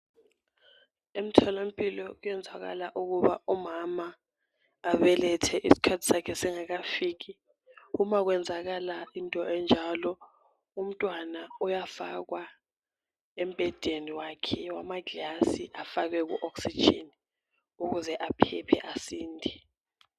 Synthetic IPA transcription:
em̩tʰɔlem̩pʼilɔɣujɛnd͡zʱaɣa̰laʔuɣuβa̰umamaː | βɛlɛtʰɛʔisi̥kʰatʰi̥sakʰɛsiŋaɣafiːk̬i | umaɣ̬wɛnd͡zʱaɣalaintʼɔʔɛnd͡ʒʱalɔ | um̩tʼwanaujafa̰ɣwa | ɛm̩bʱɛd̥ʱeniwakʰɛwamaɡʱasiʔafak̬ɛk̬ṵʔɔksi̥d͡ʒʱḛni | uɣuzɛʔapʰɛpʰɛ̰ʔasiːndʱi

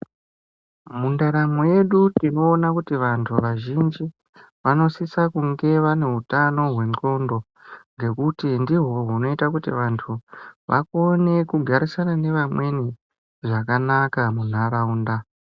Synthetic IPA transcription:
mundaɾamwoje̞ɗutino̞ːnakutiʋantʰuʋaʒind͡ʒi | ʋano̞sisakuŋɡe̞ʋane̞ɦutano̞ɦwe̞nko̞ndo̞ | ŋɡe̞kutindiɦo̞ɦuno̞itakutḭʋantʰuʋʔa̰ko̞ne̞kuɡʱaɾisanane̞ʋamwe̞ni | ʐakanakamun̤aɾauːnda

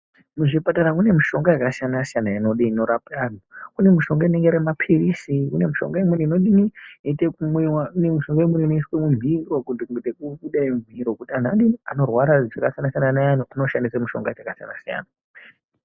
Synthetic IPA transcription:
muʐipataɾaune̞miʃo̞ŋɡajakasijanasijanainoɗiino̞ɾapan̤ukune̞miʃo̞ŋɡaine̞ŋɡeɾemapʰirisikune̞muʃo̞̰ŋɡaimweniinoɗinietekumiwaunemiʃo̞ŋɡaimeninoiswemuɱvʱirokutiuŋɡetekuɓuɗaiɱviɾokutian̤aɗiiano̞rwaɾaʐakasijanasijananajan̤uʔano̞ʃandisamuʃo̞̰ŋɡatakasija̰na̰sija̰ːna

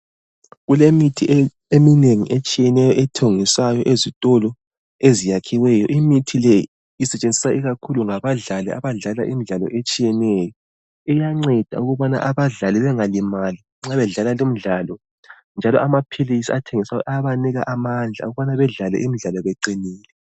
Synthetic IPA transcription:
ɣulemitʰi | emineŋiʔet͡ʃʼijɛnɛjɔʔɛtʰoŋisajɔʔezitʼɔlɔ | ezijakʰiwɛjɔ̰ʔimitʰilɛji | isɛt͡ʃʼend͡zʱisaiɣakʰuluŋaβaɮalɛ̰ʔa̰βaɮala̰ʔimiɮalɔ̰ʔet͡ʃʼijɛnɛjɔ | ɛjaŋ͡ǀɛd̥ʱa̰uɣuβana̰ʔaβaɮalɛβɛŋalimali | ŋ͡ǁaβɛɮalalom̩ɮalɔ | nd͡ʒʱalɔ̰ʔamapʰilisiatʰeŋisajɔ̰ʔaβaniɣa̰ʔamand͡ɮʱa̰uɣuβanaβɛɮalɛ̰ʔimiɮalɔβɛǃiniːlɛ

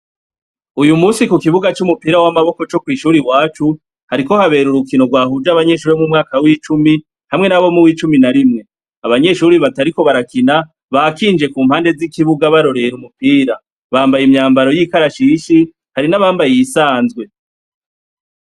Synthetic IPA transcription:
ujumuːsikukiβuɡat͡ʃumupiːɾawamaβo̞ko̞t͡ʃo̞kwiːʃuːɾiwaːt͡ʃu | haɾiko̞haβe̞ːɾuɾukino̞ɡwaːhud͡ʒaβaɲe̞ːʃuɾiβomumŋaːkawiːt͡ʃumi | hamŋe̞naβo̞muwiːt͡ʃuminaɾimŋe̞ | aβaɲe̞ʃuɾiβataɾiko̞βaɾakina | βakiːnd͡ʒe̞kuːmhaːnde̞zikiβuɡaβaɾo̞ɾe̞ɾumupiːɾa | βaːmbajimɲaːmbaɾo̞jikaɾaʃiʃi | haɾinaβaːmbajiisaːnzɡwe̞

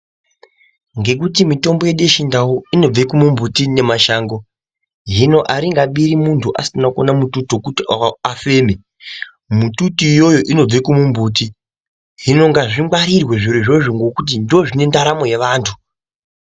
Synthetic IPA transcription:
ŋɡe̞k̬utimito̞mbo̞je̞ɗeʃindawuino̞b͡vekumumbutine̞maʃaːŋɡo̞ | ɦino̞ʔaɾiŋɡaɓiɾimuntʰuʔa̰sinako̰namututokutiafe̞ːme | mututijo̞jo̞ʔino̞b͡vekumumbuːti | ɦino̞ŋɡaʐiŋwaɾirwe̞ʐiɾeʐo̞ʐoŋɡo̞kut̬indoʐine̞ndaɾamo̞je̞ʋaːntʰu

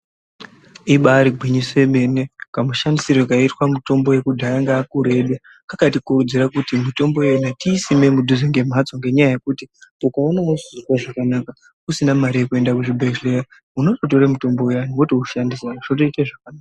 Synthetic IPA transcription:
iɓaɾiɡʱwiɲisoeme̞ne̞kamuʃandisirwekaitwamuto̞mbo̞je̞kudʱaaŋɡaːkuɾe̞ɗa | kakatikurud͡ziɾakutimito̞mbo̞jenatiːsime̞mudʱuzeŋɡe̞m̤ad͡zoŋɡe̞ɲajaje̞kutiukaanozzirwaʐakanaka | kusinamaɾijekue̞ndakuʐibʱeʒlera | uno̞tot̬o̞ɾemuto̞mbo̞ujaniwotouʃandisaʐotoiteʐakanaːka

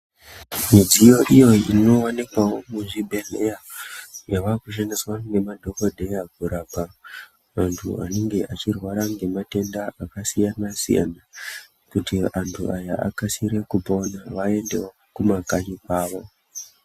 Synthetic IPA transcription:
mid͡zijo̞ʔijo̞ino̞wonikwawo̞muʐibʱelejajaʋakuʃeniswaŋɡe̞madʱo̞kodʱe̞jaɡʱuɾaːba | mantʰṵa̰ne̞ŋɡe̞ʔat͡ʃirwaɾaŋɡe̞mate̞ndaakasijanasḭja̰na | kutiantʰṵajaʔa̰kasiɾe̞kuponaʋae̞nde̞wo | kumakanikwaːʋo̞

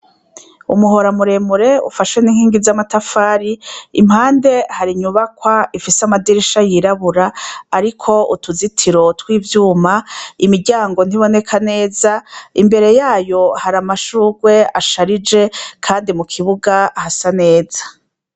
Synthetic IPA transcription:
ṵmuɦo̞ɾamuɾe̞muɾe̞ṵfaʃweniŋ̥hiːŋɡizamatafaːɾiḭm̥haːnde̞haɾiɲuβakwaifisamadiɾiʃajiɾaβuɾaːɾikʰo̞ṵtuzitʰiɾo̞twiːvjuːmaimiɾɟaːŋɡo̞n̥iβo̞ne̞kʰane̞ːzaḭmbe̞ɾe̞jaːjo̞haɾamaʃuːɡwe̞aʃaɾid͡ʒe̞kʰaːndimukʰiβuɡahasane̞ːz̥ḁ

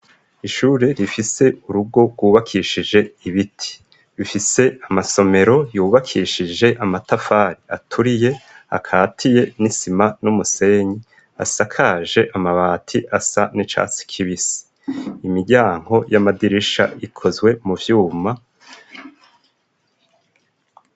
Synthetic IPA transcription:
iʃuːɾe̞ɾifise̞ʔuɾuɡo̞ɡɡwuːβakʰiːʃid͡ʒe̞iβitʰi̥ | βifise̞amaso̞me̞ɾo̞juːβakʰiʃid͡ʒe̞ʔamatafaːɾiatʰuɾije̞a̰kʰaːtʰije̞nisimanumuse̞ɲi | a̰sakʰaːʒe̞ʔamaβaːtʰiʔasa̰nit͡ʃa̰si̥kʰiβisi̥ | imiɟaːŋ̥ho̞jamadiɾiʃa̰ikʰo̞zɡwe̞muvjuːma

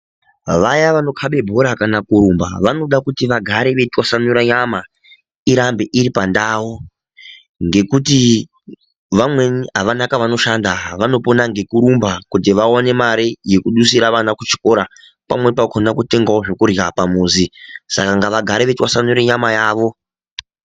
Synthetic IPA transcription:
ʋajaʋano̞kʰaɓe̞bʱo̞ɾakanakuɾumbaʋano̞ɗakutiʋaɡʱaɾeʋe̞twasanuɾaɲama | iɾambeʔiɾipandaːwo | ŋɡe̞kuti | ʋamwe̞ɦaʋanakaʋano̞ʃandaʋano̞ponaŋɡe̞kuɾumbakutiʋaone̞maɾije̞kuɗusiɾaʋanakut͡ʃi̥ko̞ɾa | pa̰mwe̞pakʰonakute̞ŋɡaoʐekurjapamuːzisa̰kaŋɡaʋaɡʱaɾeʋetwasanuɾeɲamajaːʋo̞

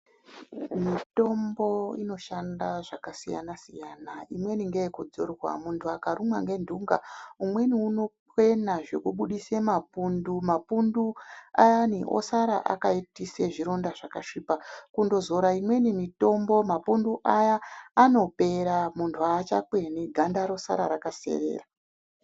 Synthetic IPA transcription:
mito̞mbo̞ino̞ʃandaʐakasija̰nasijanaimwe̞niŋɡejekud͡zo̰rwa̰muntʰuakaɾumwa̰ŋɡe̞ndʱuŋɡa̰umwe̞niuno̞ | we̞naʐe̞kuɓuɗisemapundumapunduajaniʔo̰saɾa̰ʔa̰kaitiseʐiɾo̞ndaʐakaʂipakundo̞zo̞ɾaimwe̞nimito̞mbo̞mapunduʔajaːno̞pe̞ɾamuntʰuat͡ʃakwe̞niɡʱandaɾo̞sa̰ɾa̰ɾakase̞̰re̞̰ːra

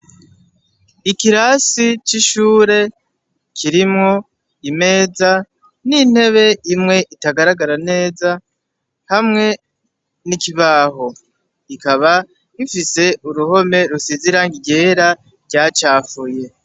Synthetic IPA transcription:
ikiɾasit͡ʃiʃuːɾe̞ | kʰiɾimŋo̞ | ime̞ːza | nin̥he̞βe̞imŋe̞ʔitaɡaɾaɡaɾane̞ːza | hamŋe̞ | nikiβaːɦo̞ | ikaβa | ifise̞uɾuho̞me̞ɾusiziɾaːŋɡiɟe̞ːɾa | ɾɟaːt͡ʃaːfuje̞

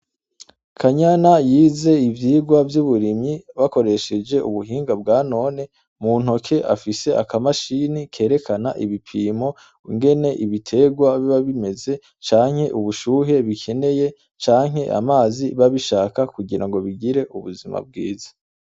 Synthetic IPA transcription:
kʰaɲanajiːze̞ivjiːɡwavjuβuɾimɲiβako̞ɾe̞ʃe̞d͡ʒe̞ʔuβuɦiːŋɡab̚ɡaːno̞ne̞ | muːn̥okʰe̞ʔa̰fise̞akamaʃinikʰe̞ːɾe̞kʰanaʔiβipʰiːmo̞ | uŋɡe̞ne̞ʔiβitʰe̞ɡwaβiβaβime̞ze̞ | t͡ʃaːŋ̥he̞ʔuβuʃuːɦe̞βikʰe̞ne̞je̞ | t͡ʃaːŋ̥he̞ʔa̰maːziβaβiʃaːkakuɟiɾaŋɡo̞βiɡiɾe̞ʔuβuzima̰b̚ɡḭːzḁ

